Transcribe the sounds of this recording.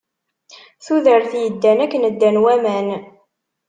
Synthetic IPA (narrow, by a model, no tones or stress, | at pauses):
θuðəɾθjəd̪ːænækːənəd̪ːænwæmæn